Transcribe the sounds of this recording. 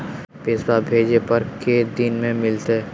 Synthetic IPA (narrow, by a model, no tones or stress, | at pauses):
peːswabʱeːd͡ʒepɐɾked̪ɪnmẽmɪlt̪e